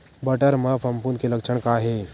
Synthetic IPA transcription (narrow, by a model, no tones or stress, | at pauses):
bəʈəɾməpʰɐmpunkelɐkt͡ʃʰəɳkaɦe